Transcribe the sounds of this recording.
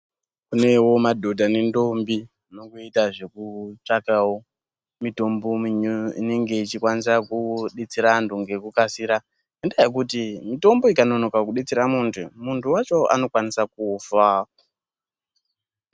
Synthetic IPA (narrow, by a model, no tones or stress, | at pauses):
kune̞wo̞madʱo̞dʱane̞ndo̞mbi | no̞kuitaʐe̞kut͡ʂakawo | mito̞mbo̞ine̞ŋɡe̞it͡ʃikwanisakuɗet͡siɾanduŋɡe̞kukasiɾa | endajek̬utimito̞mbo̞ikano̞no̞kakuɗet͡siɾamuntʰumuntʰuwat͡ʃo̞a̰no̞kwanisak̚ufa